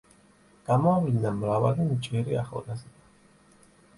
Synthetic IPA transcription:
ɡ̥amɔvinamɾavalint͡ʃʼɛɾia̰χɔ̰lazɛ

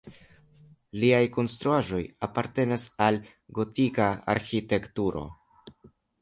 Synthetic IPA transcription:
liajko̞nst̪ɾuaʒo̞japaɾte̞nasal | ɡo̞tikaa̰ɾxite̞ktuɾo̞̰

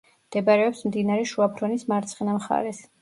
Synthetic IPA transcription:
md̪̥ɛbaɾɛɔpsmd̪inaɾɛʃuapʰɾɔnismaɾt̪sʰχinamχa̰ɾɛs

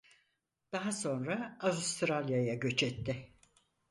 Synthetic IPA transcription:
d̪̥aɦaso̞nɾaavust̪ɾalʲjajaɟø̞t͡ʃɛt̪ːɪ

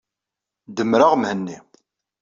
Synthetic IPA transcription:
d̪əmɾaʁmhənːi

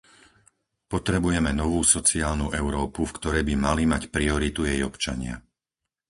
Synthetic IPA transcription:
pɔt̪ɾɛbujɛmɛnɔʋuːsɔt͡siaːlnuʔɛʊɾɔːpufkt̪ɔɾɛjbimalimacpɾiɔɾit̪ujɛjɔpt͡ʃa̰ɲɪa̰

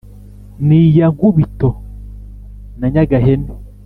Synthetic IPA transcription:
nijaŋɡuβito | naɲaɡaɦene

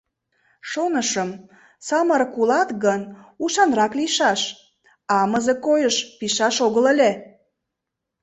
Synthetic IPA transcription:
ʃonəʃəm | sɑmərkulɑt̪ɣənuʃɑnrɑkliʃɑʃ | ɑməzekojəʃpiʃɑʃoɣəlelʲe

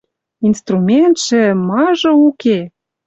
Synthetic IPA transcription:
inst̪rumʲent̪ʃĕmɑʒɤ̆uke

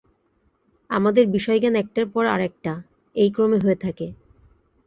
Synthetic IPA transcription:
a̰mad̪eɾbiʃɔeɡanɛk̚ʈaɾpɔɾa̰ɾɛk̚ʈa | ejkɾomeɦoet̪ʰake

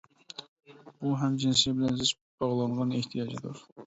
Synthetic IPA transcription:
b̥uɦɛmd͡ʒinsijɛbɪlɛnzɪʃ | bɑʁlˠɑɴʁɑneht̪ʰijɑd͡ʒɨd̪uɾ

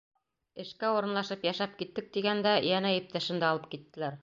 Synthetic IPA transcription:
ɘ̆ʃkæuɾɤ̆nlˠɑʃɤpjæʃæp̚kit̪ːɘk̚t̪iɡænd̪æjænæjip̚t̪æʃɘ̆nd̪æɑlˠɤp̚kit̪ːɘ̆læɾ

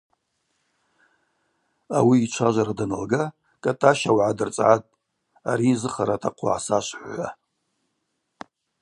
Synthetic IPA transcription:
awiːt͡ʃʷʰaʒʷaɾadanalɡa | kʼatʼaʃawʕadɨrt͡sʼʕatʼ | aɾizɨχaɾatʰaqʷʰʊ̰ʕasaʃʷħʷa̰

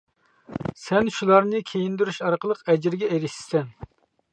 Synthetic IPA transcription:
sɛnʃulˠɑɾnɨkʲʰejind̪yɾyʃɑɾqəlˠəqɛd͡ʒɪɾɡʲɛeɾɪʃt̪ɪ̥sɛn

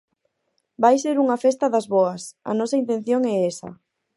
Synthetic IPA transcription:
bajseɾuŋɐfest̪ɐðɐzβɔɐsɐ̰nɔsɐint̪ẽn̟θjoŋɛesɐ̰

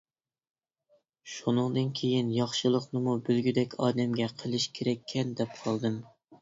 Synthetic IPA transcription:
ʃunɨŋd̪ɨnkʲʰejinjɑχʃɨlˠəqnɨmubølɡʲyd̪ɛkʲʰɑːd̪ɛmɡʲɛqʰəlˠɨʃkʲʰeɾɛkʲʰːɛnd̪ɛp̚qʰɑlˠd̪ɨm

